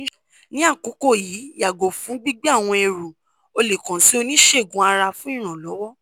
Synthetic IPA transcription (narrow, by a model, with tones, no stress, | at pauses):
nĩ˨˦a˦˨ko˨˦ko˦˨jiː˨˦ja˨ɡo˨fũ˨˦ɡ͡bi˦ɡ͡bi˦a˦˨w̃ɔ̃˧e˨ɾu˨ | o˧le˨kã˨si˨˦o˧nĩ˦ʃe˦˨ɡũ˨˦a˧ɾa˧fũ˦ĩ˦˨ɾ̃ã˨lɔ˨˦wɔ˦